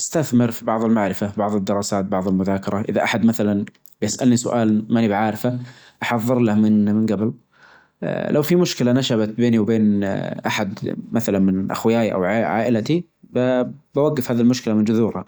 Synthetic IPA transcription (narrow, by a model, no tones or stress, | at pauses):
ʔast̪aθmɪɾfibɑʕðˤɪlmaʕɾɪfabɑʕðˤɪd̪ːɪɾˤɑːsaːt̪̚bɑʕðˤɪlmʊðaːkɑɾˤɑʔɪ̰ðaʔaħad̪maθalan | bjɪsʔa̰lnisʊ̰ʔaːlmanibʕaːɾɪfa | ʔɑħɑðˤːɨɾlahmɪnmɪnɡabɪl̰ | lʔawfimʊʃkɪlanaʃabat̪̚beːniwbeːnʔaħad̪maθalanmɪnʔa̰xwɪjaːjʔa̰wʕʕa̰ːʔɪlat̪i | babawaɡːafhaːðilmʊʃkɪlamɪnd͡ʒʊðuːɾha̰